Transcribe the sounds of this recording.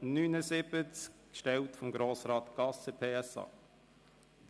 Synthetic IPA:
nyːnəzɪbət͡skkʃtɛltfɔmɡɾoːsɾɑːtɡ̥ɑsəpʰeːɛsɑ̰ː

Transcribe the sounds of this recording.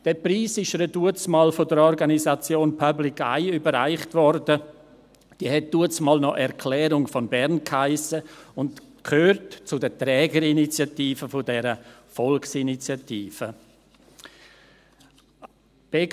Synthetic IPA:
d̥ɛpɾiːsɪʃəɾəduət͡smɑːlfodəɾɔɾɡanisat͡sjoːnpʰablɪkʰa̰ɪybəɾaɪχtvɔrdə | d̥iːəhɛt̚d̥uət͡smɑːlnɔʔɛɾkʰlɛːɾʊŋfɔnbɛɾnkhaɪsəʊntkʰhøːɾtt͡sʊdətɾɛːɡəɾinit͡sjatiːfəfʊdɛɾəfɔlksinit͡sjatiːfə | b̥eː

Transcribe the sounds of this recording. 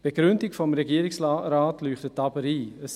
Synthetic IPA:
b̥eɡɾʏndɪkfɔmɾɛɡiːəɾɪksɾaːtlyːχtətɑbəɾiːəs

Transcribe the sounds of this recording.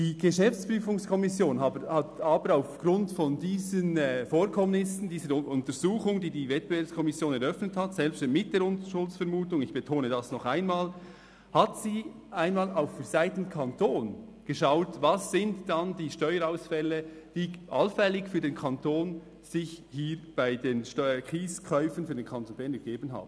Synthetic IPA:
d̥iːɡ̥əʃɛft͡spɾyːfʊŋskʰɔmɪsjoːnaəhatɑːbəɾaʊfɡ̥ɾʊntfɔndiːzənɛfoːɾkʰɔmnɪsn̩diːzəɾʊʔʊntəɾzuːχʊŋdiːdiːvɛt̚b̥evɛːɐpskʰɔmɪsjoːnɛɾœfnəthɑtsɛlpstmɪt̚d̥eːɾʊntəʃʊlt͡sfɛɾmuːtʊŋɪçb̥ətʰoːnədɑsnɔχaɪnmaːl | hɑtsiː | ʔaɪnmaːlaʊfd̥ɛz̥aɪtən̩kʰɑntʰoːnɡ̥əʃaʊtvɑsːɪntd̥ɑndiːʃtɔʏəɾaʊsfɛləd̥iːʔɑ̰lfɛlɪçfyːɐdeːnkʰɑntʰoːn | z̥ɪçhiːɾb̥aɪdeːnʃtkiːskʰœʏfən̩fyːɐdeːnkʰɑntonbɛnɡəɡeːbənɦa̰ːbən

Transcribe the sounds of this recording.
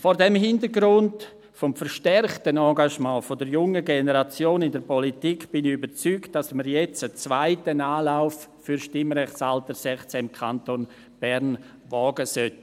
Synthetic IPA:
fɔːɾdɛmhɪndəɾɡɾʊnt | fɔmfəɾʃtɛɾχtənɑ̃ːɡaʃmɑ̃ːfodəɾjʊŋəɡenəɾat͡sjoːnɪndəɾpɔlitikb̥ɪniybəɾt͡syːkt̚d̥asməɾjɛt͡sət͡svaɪtənaːlaʊffʏɾʃtɪmɾɛχt͡saltəɾsɛχt͡sɛɪmkʰanton | b̥ɛɾn | vɔːɡəsœt

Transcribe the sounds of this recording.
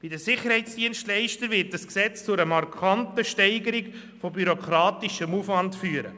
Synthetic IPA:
b̥idəsɪχəɾhɛɪt͡sd̥iənʃtlɛɪʃtəɾvɪt̚d̥əsksɛt͡st͡sʊɾəmɑrkʰɑntəʃtɛɪɡəɾiɡ | fobyɾokʰɾɑːtiʃəmufʋɑntfyːəɾə

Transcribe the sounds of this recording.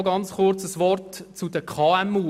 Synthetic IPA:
ɡɑnt͡sχʊɾt͡səsʋɔrtt͡sud̥əkʰɑːæmuː

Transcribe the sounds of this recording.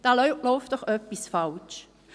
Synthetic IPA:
d̥ɑllɔʊft̚d̥ɔχœpːisfalt͡ʃ

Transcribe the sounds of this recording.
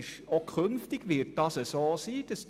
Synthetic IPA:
ʃokʰønftɪɡʋɪt̚d̥ɑsəsoːsiːd̥ɑs

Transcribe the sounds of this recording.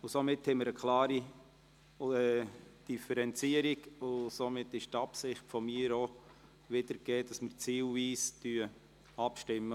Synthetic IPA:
ʊsomɪthɛməɾəkʰlɑːɾi | ɛd̥ifɛɾɛnt͡siəɾiɡʊsomɪtːɪʃtɑpsɪχtfɔmiːəɾo | ʋɪdəɾɡ̥eːd̥ɑsmərt͡siːlviːstyə | ɑpʃtɪmːə

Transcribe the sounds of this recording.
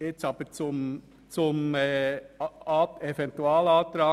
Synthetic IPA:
ɪt͡sɑb̥ət͡sʊm | t͡sʊmɛ | ɑɛfɛnt̪uaːlɑːt̪ɾɑː

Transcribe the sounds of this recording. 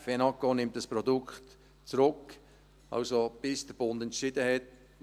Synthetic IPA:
fɛnɑkonɪmtdəspɾɔdʊkt | t͡sɾʊk | ɑ̰lsob̥ɪsd̥əb̥ʊndɛntʃɪdəhɛt

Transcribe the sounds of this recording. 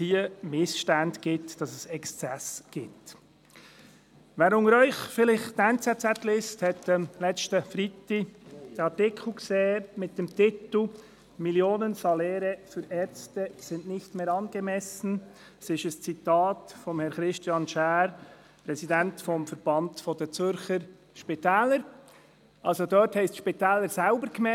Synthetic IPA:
hiːəmɪsʃtændɡ̥itd̥ɑsɛsɛkst͡sɛsɡ̥ɪp̚t | vɛɾʊŋəɾœʏçfɪlɪçtaɪnt͡sɛtt͡sɛt̪lɪsthɛt̚dəlɛt͡stəfɾitid̥ɑtɪkχukseːɾmɪt̚d̥eːmtʰɪtl̩ | miljoːnənsɑlɛːɾəfyɾɛɾt͡stəsɪndnɪçtmeːɾɑnɡ̥əmɛsn̩ | sɪʃəst͡sitɑːtfɔmhɛnχɾɪstjɑnʃæːɾ | pɾɛsidɛntfɔmfəɾb̥ɑndfɔdɛt͡sʏɾçəɾ | ʃpitɛːləɾ | ʔɑlsodɔɾthɛɪstʃpitɛːləɾsaʊbəɾkmɛ

